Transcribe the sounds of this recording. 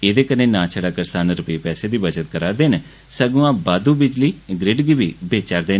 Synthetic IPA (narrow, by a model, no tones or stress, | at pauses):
eːd̪eːkənẽːnãːt͡ʃʰəɽaːkəɾsaːnɾəpeːpɛːseːd̪iːbəd͡ʒət̪kəɾaːɾd̪eːnː | səɡũːãːbaːd̪uːbɪd͡ʒliːɡɾɪɖɡiːbiːbeːt͡ʃaːɾd̪eːn